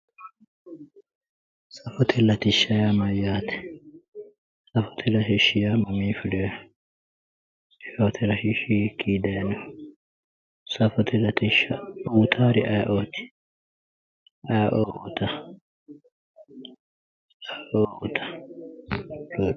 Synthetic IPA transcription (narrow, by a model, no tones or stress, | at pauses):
sɐfɔt̪ʰɛlɐt̪ɪʃːɐjaːmɐjaːt̪ɛ̥ | sɐfɔ̥t̪ʰɛlɐʃɪʃːɪjamɐmiːfɪdɛj | oːt̪ʰɛɾɐʃɪʃikiːd̪ɐjnɐ | sɐfɔt̪ɛlɐt̪ɪʃːɐuːt̪ʰaːɾɪʔɐjʔoːt̪ɪ̥ | ɐʔoːut̪ɐ | ɐʔout̪ʰɐ̥ | lo